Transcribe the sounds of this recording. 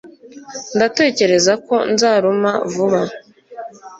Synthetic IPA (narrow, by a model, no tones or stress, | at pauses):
ndate̞ːce̞ɾe̞zako̞nzaːɾomavuβa